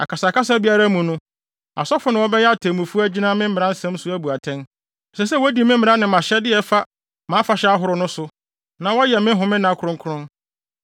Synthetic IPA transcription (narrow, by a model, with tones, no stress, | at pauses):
a̰˨kʰa˨sa˨ka˦s̬a˦bi˦a˦ɾa˦mũ˨nʊ̃˦ | a̰˨sɔ˦fʊ˦nɪ̃˨wɔ˦bɛ˦jɛ˦a˦˨tʰɛ̃˨mũ˨fu˦æ˦d͡ʑi˦nã˦mɪ̃˦m̩˦ɪ̃˨ɾã˦n̩˦sɛ̃˦m˦sʊ˦æ˦bu˨a˨tʰɛ̃˦n˨ | sɛ˨sɛ˦wɔ˦di˨mɪ̃˦m˦mɪ̃˨ɾã˦nɪ̃˨mã˨ɕɛ˦dɪ˦ɛ˨fa˦ | mãː˨˦fa˨ɕɛ˦a˦ɦʊ˨ɾʊ˦nʊ̃˦sʊ˨ | nã˨wɔ˦jɛ˨mɪ̃˦ɦʊ̃˨mɪ̃˦nã˨kʰɾʊ̃˦kʰʊ˦ʊ̃˦n